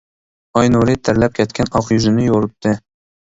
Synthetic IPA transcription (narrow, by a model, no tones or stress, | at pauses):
ɑjnoɾit̪ʰæɾlɛp̚kʲʰɛt̪̚kʲʰɛnɑqjyzɪnɪjoɾɨp̚t̪ʰːɨ